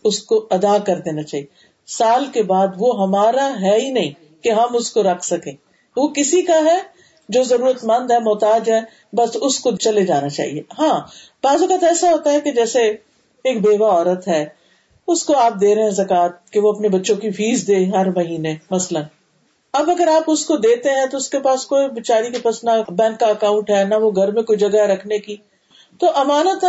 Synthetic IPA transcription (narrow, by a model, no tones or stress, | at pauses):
ʊskoɐd̪akɐɾd̪eːnat͡ʃaːɦie | saːlkebaːd̪ʋoɦɐmaːɾaɦɛinɐɦĩ | keɦɐmʊskoɾɐkʰsɐkẽː | ʋokɪsikaɦɛ | d͡ʒoːzɐɾuːɾət̪mɐ̃nd̪ɦɛmɔːt̪aːd͡ʒɦɛ | bɐsʊskot͡ʃɐled͡ʒaːnat͡ʃa̰ːɦḭeɦãː | b̥aːzʊkət̪ɛːsaɦoːt̪aɦɛked͡ʒɛːse | eːkbeːʋaɔːɾət̪ɦɛː | ʊskoaːp̚d̪eːɾeɦɛ̃zɐkaːt̪̚keʋoɐpnebɐtːʃõkifʰiːzd̪eːɦɐɾmɐɦiːnemɐslən | ɐbɐɡəɾaːpʊskod̪eːt̪eɦɛ̃t̪oʊskepaːskoːibɪt͡ʃaːɾikepasnɐbɛ̃ːŋkkːaɐkaːʊ̃ɳʈɦɛːnɐʋoɡʱɐɾmẽkoːid͡ʒɐɡaɦɛɾɐkʰneki | t̪oʔɐmaːnət̪